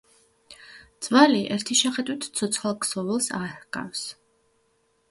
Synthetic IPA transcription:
d̪z̥valiʔɛɾt̪ʰiʃɛχɛd̪wit̪ʰsʰɔt̪sʰχalˠksɔvɛlˠsahɡʼa̰fs

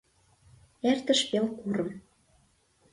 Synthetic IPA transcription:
ert̪ə̆ʃpelkuɾə̆m

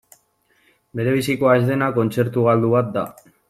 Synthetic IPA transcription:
be̞ɾe̞βisikoaezðe̞nako̞nt͡se̞ɾt̪uɣald̪uβat̪̚d̪a

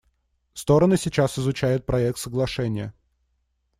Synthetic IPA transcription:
fst̪o̞ɾənɨsʲɪt͡ɕasɪzʊt͡ɕæjʊt̪̚pɾɐɛk̚t̪səɡlˠɐʂɛnʲɪjə

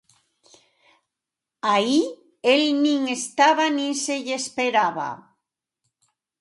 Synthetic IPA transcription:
ai | elnĩŋest̪aβanĩnseʎespeɾaβa̰

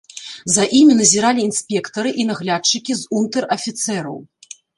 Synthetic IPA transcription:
zɐʔimʲinɐzʲiɾalʲiːnsʲpʲɛkt̪ɐɾɨʔinɐɣlʲat͡ʂːɨkʲizunt̪ɛrɐfʲit̪sɛɾɐ̰w

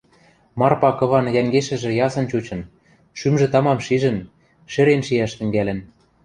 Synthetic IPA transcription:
mɑrpɑkɤ̆βɑnjæŋɡeʃɘ̆ʒĕjɑsɤ̆nt͡ɕut͡ɕɤ̆n | ʃymʒɘ̆t̪ɑmɑmʃiʒɘ̆n | ʃĕɾenʃiæʃt̪ɘ̆ŋɡælʲɘ̆n

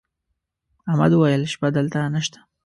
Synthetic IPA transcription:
amad̪wajəlʃbad̪əlt̪anəʃt̪ḁ

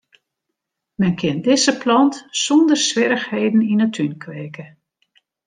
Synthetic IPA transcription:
mɛnkʰɪəndɪzəplɑntsɔndərsʋɪɾəxheːdn̩inətʰynkʰʋeːkə

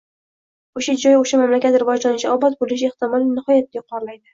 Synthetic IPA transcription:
oʃad͡ʒɒjoʃamamlakʲat̪ɾɪvɒd͡ʒlanɪʃaɒbɒt̪̚bolɪʃ̬eht̪ɪmɒlˠnɪhɒjat̪̚ːajqʰɒɾlajd̪ɪ

